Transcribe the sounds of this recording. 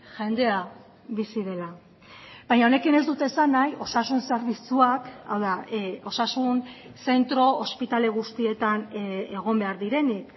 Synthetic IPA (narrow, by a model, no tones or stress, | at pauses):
ʝe̞nd̪e̞a | βisiðe̞la | bajɲao̞ne̞kine̞zd̪ut̪esanajʔo̞sasunse̞ɾβit͡suaka̰wðao̞sasun | se̞nt̪ɾo̞ːspit̪ale̞ɣ̞ust̪ie̞t̪ane̞ɣ̞o̞mbe̞aɾðiɾe̞nik